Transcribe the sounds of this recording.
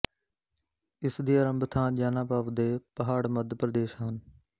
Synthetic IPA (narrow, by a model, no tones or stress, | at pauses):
ɪsd̪iːəɾəmbʱt̪ʰãːʄaːnãːpaːʋd̪eːpəɦaːɽməd̪ʱpɾəd̪eːʃɦaːn